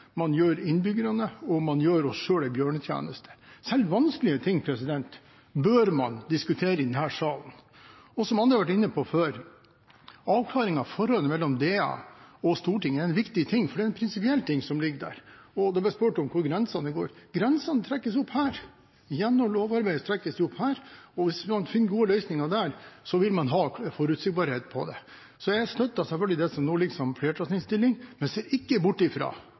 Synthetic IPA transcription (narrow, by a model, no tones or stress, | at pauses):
mɑnjøːɾɪnbʏɡəɾɑnəɔmɑnjøːɾɔsʂøːɖ̪æɪbjøːɳət̪ʰjæ̰ːnəst̪ʰə̥sɛlːʋɑnskəlɪət̪ʰɪŋːpʰɾɛsɪd̪ɛnt̪ | bøɾmɑnd̪ɪskʉt̪ʰeːɾəɪd̪ɛnhæːʂɑːln̩ | ɔsɔmɑnd̪ɾɑʋæʈ̬ɪnːəpʰɔføːɾ | ɑːʋkʰlɑːɾɪŋɑfɔɾhɔlənmɛlːɔmd̪eːɑ̰ɔst̪uːʈɪŋːəæɾɛnʋɪkt̪ɪt̪ʰɪŋːfɔɖɛɛnpʰɾɪnsɪpɪɛlːt̪ʰɪŋːsɔmlɪɡːəɖ̪æ̰ːɾɔd̪ɛb̪æspøːʈɔmkʰʊɾɡɾɛnsɑnəɡo̰ːɾɡ̥ɾɛnsɑnət̪ʰɾɛkːəsʊphæːɾ | jɛnːɔmloːʋɑɾbæɪət̪ʰɾɛkːəsd̪ɛʊphæːɾɔʋɪsmɑnfɪnːəɡuːəlœʏsnɪŋɑd̪æɾsɔʋɪlmɑnɦɑːfɔɾʉt̪sɪɡ̚bɑɾheːt̪pʰɔ̰d̪ɛ̰ | sɔjææst̪œt̪ːɑsɛlfœlɡɪd̪ɛsɔmnoːlɪɡsɔmfleːʈɾɑsnɪŋst̪ɪlːɪŋmɛnseːɾɪkːəbʊʈːɪfɾɑ̰ː